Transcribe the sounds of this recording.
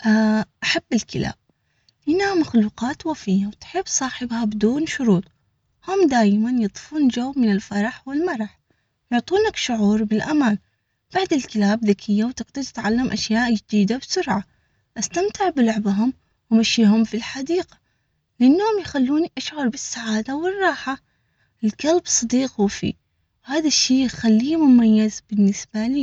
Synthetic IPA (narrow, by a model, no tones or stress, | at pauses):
ʔaʔaħabːɪlkɪla̰ːb̥̚ | ʔɪnːhamaxluːqɑːt̪wafɪjːawt̪ħɪbːsˤɑːħɪbhabɪd̪uːnʃʊɾuːt̪ˤ | hʊmd̪aːjmanjɨt̪ˤɨ̥fuːnd͡ʒawːmɪnɪlfɑɾˤɑħwɪlmɑɾˤɑħ | jʊʕt̪ˤuːnakʃʊʕuːɾˤbɪlʔamaːn | b̥aʕd̪ɪlkɪlaːbðakʰɪjːawt̪ɪɡt̪ad̪t̪ɪ̥t̪ʕalːamʔaʃjaːʔd͡ʒɪd̪iːd̪absʊɾʕa | ʔast̪amt̪ɪʕbɪlʊʕbɦʊm | wɪmaʃiːɦʊmfilħad̪iːɡḁ | lɪʔanːhʊmjxalːuːniʔaʃʕʊɾˤbɪsːaʕaːd̪awɪrˤːɑːħa | ʔɪlkalbsˤɨd̪iːqhufḭː | whaːðaʃːiːjxalːiːmʊmajːɪzb̥ɪnːɪsbaliː